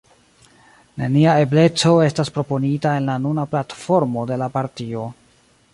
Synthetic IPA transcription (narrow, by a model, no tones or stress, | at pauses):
ne̞niae̞ble̞t͡so̞e̞staspɾo̞po̞nitae̞nlanunaplatfo̞ɾmo̞de̞lapaɾtio̞